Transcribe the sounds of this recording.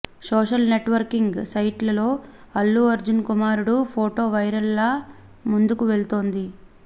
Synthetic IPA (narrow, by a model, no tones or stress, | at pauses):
soːʃɐlne̞ʈʋɐɾkiŋɡsɐjʈlɐlo̞ː | ɐlːuɐɾd͡ʒunkumaːɾuɽupʰoːʈo̞ːʋɐjɾɐlːaː | mund̪ukuʋe̞ɭt̪o̞ːnd̪i